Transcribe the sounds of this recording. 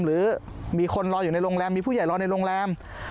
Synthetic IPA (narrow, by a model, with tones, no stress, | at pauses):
mɾɯː˩˦ | miː˧kʰo˧nɾɔː˧ju˨˩na˧jɾoː˧ŋlɛː˧mːiː˧pʰu˥˩ja˨˩jɾɔː˧na˧jɾoː˧ŋlɛː˧m